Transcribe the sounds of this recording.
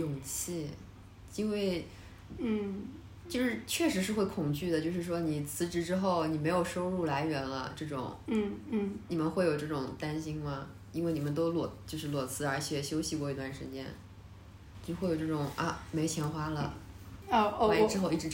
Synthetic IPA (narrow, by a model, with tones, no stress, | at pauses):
jʊ˨˩ŋt͡ɕʰi˥˩ | i˥nwe˥˩˧ɪ˥˩ | t͡ɕjo˥˧ʂɻ̩˥˧t͡ɕʰɥɛ˥˧ʂɻ̩˧˥ʂɻ̩˥˧xwe˥˩ɪkʰʊ˨˩ŋt͡ɕy˥˩d̪ə˩t͡ɕjo˥˧ʊʂɻ̩˥˩ʂ̬wɔ˥ni˨˩t͡sʰɹ̩˧˥ʈ͡ʂɻ̩˧˥ʈ͡ʂɻ̩˥xo˥˩ʊni˨˩me˧˥ɪjo˨˩ʊʂo˥ʊɻu˥˩la˧˥ɪɥɛ˧˥nlə̰˧ʈ͡ʂɤ˥˩ʈ͡ʂʊ̰˨˩˦ŋ̩˥˩˥ni˨˩mə˦nxwe˥˩ɪjo˨˩ʊʈ͡ʂɤ˥˩ʈ͡ʂʊ˨˩ŋt̪a˥nɕi˥nmɐ˨ | i˥nwe˥˩ɪni˨˩mə˦nt̪o˥ʊlwɔ˨˩t͡ɕjo˥˧ʊʂɻ̩˥˩lwɔ˨˩t͡sʰɹ̩˥˩ə˞˧˥t͡ɕʰjɛ˨˩ɕjo˥ʊɕi˨˧kwɔ˥˩i˧˥t̪wa˥˩nʂɻ̩˧˥t͡ɕjɛ̰˥n˧˥ | xwe˥˩ɪjo˨˩ʊʈ͡ʂɤ˥˩ʈ͡ʂʊ˨˩˦ŋɐ˧˩me˧˥ɪt͡ɕʰjɛ˧˥nxwa˥lə˨˧ | wa˥ʈ͡ʂɻ̩˥xo˥˧ʊi˥˩ʈ͡ʂɻ̩˧˥